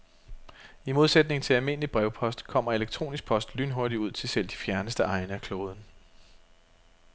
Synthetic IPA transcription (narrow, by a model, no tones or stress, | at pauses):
imo̝ðˠsed̥ne̝ŋ̩t͡sʰe̝lælme̝n̰əlib̥ʁɛʊpʰɒ̽sd̥kʰɒ̽m̰ɐe̝leɡ̥̚t͡sʰʁo̝̰ːnisɡ̥̚pʰɒ̽sd̥lyːnɦo̝ɐɾiuð̞̰ˠt͡sʰe̝lsel̰d̥i̥fjæɐnəsd̥əɑ̈ɪnəækʰloːð̞ˠn̩